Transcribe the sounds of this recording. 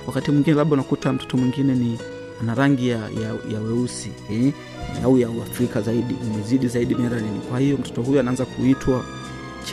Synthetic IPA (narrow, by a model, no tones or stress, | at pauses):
wakatimwiŋɡinɛlaɓaunakutam̩tɔ̥tɔmwiŋɡinɛni | anaɾaŋɡijajajaɛɾusi | aujauafɾikazaiɗiumɛziɗizaiɗimɛɾaninikwahijɔm̩tɔ̥tɔhujuanaanzakuitʰwa